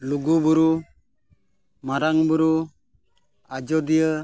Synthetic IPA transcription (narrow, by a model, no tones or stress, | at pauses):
luɡubuɾu | maɾaŋbuɾu | ad͡ʒɔdijə